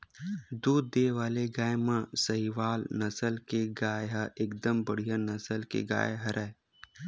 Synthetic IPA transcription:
d̪uːd̪ːeːʋaːleɡaːjmãsɐɦiʋaːlnɐsəlkeɡaːjɦaeːkd̪əmbəɽ̤ijanɐsəlkḛɡa̰ːjɦɐɾɛ

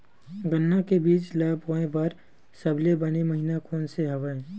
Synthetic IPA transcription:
ɡənːakebiːt͡ʃlaːboːẽbəɾ | sɐblebɐnemɐɦinakʰoːnseɦɐʋəẽ

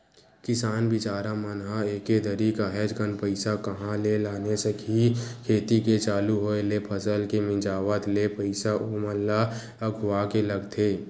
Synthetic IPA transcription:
kɪsaːnbɪt͡ʃaːɾamənɦaeːked̪ʱəɾikaɦɛd͡ʒɡənpəɪsakəɦãlelaːnesekɦikʰeːt̪iket͡ʃaːluɦoelepʰəsəlkemɪ̃d͡ʒaːʋət̪lepəɪsaʔoməlːa | əɡʱʊaːkeləɡt̪ʰeː

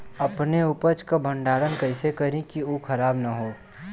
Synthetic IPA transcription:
ɐpneuːpət͡ʃkabʱə̃ɳɖaːɾənkɐɪsekɐɾĩkioːkʰɐɾaːbnaɦoː

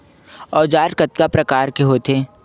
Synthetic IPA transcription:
ɔːd͡ʒaːɾkət̪̚kapɾɐkaːɾkeɦoːt̪ʰeː

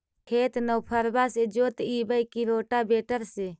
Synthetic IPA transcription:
kʰeːt̪nəwpʰəɾbaːseːd͡ʒoːt̪iːbəikiɾoːʈaːbeːʈəɾseː

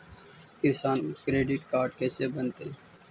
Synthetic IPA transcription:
kɪɾsaːnkɾeːɖɪʈkaːɾɖkeːseːbənt̪eː

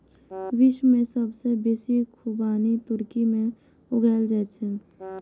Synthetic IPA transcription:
ʋɪʃwmẽsəbsebeːsikʰubaːnit̪ʊɾkimẽ | ʊɡəːld͡ʒɛːt͡ʃʰɛ

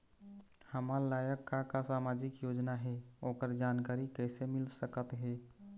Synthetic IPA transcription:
həmaɾlaːjəkːakasamad͡ʒɪkjod͡ʒnaɦɛoːkəɾd͡ʒankaɾikɛsemɪlsəkət̪ɦɛ

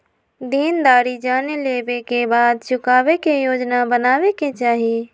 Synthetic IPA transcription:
d̪iːnd̪aːɾid͡ʒaːneleːbekebaːd̪t͡ʃʊkaːʋekejoːd͡ʒnabənaːʋeket͡ʃaːɦi

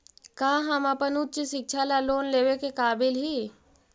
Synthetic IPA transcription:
kaːɦɐmɐpənutːt͡ʃisɪk̚t͡ʃʰalaloːnleːʋekekaːbɪlɦiː

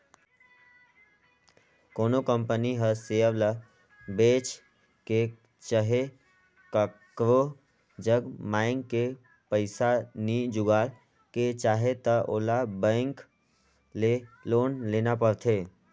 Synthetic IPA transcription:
koːnokə̃mpəniɦəseːəʋlə | beːt͡ʃ | ke | t͡ʃəɦe | kəkɾo | d͡ʒəɡmaːɪŋkːe | pəɪsanid͡ʒʊɡaːl | ket͡ʃaːɦet̪əʔoːlabɛ̃ːŋk | leloːnleːnapəɾt̪ʰeː

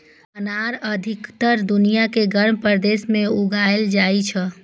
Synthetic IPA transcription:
ənaɾəd̪ʱikt̪əɾd̪unijakeɡəɾmpəɾd̪esmeuɡaeld͡ʒait͡ʃʰə

